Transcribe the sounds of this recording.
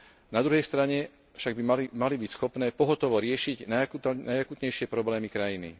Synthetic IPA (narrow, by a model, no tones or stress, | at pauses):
nad̪ɾuɦɛjst̪ɾaɲɛ | fʃaɡbialmalibicsxɔpnɛːpɔɦɔt̪ɔʋɔɾɪɛʃiɟnaunajakuːt̪ɲɛjʃɪɛpɾɔblɛːmikɾajinḭ